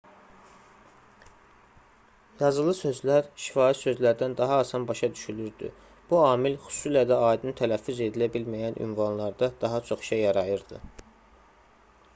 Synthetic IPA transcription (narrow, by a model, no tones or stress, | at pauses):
jɑzɯlˠɯsø̞zlæɾʃi̥fɑːit̪sø̞zlæɾd̪ænd̪ɑɦɑːsɑnbɑʃɑd̪yʃylyɾd̪y̰ | b̥uɑːmilxu̥susilæd̪æɑːid̪ɯnɯt̪ʰælæfːyze̞d̪ilæbilmæjænʔy̰nvɑnlˠɑɾd̪ɑd̪̥ɑɦɑt͡ʃʰo̞χʃejːɑɾɑjɯɾd̪̥ɯ̰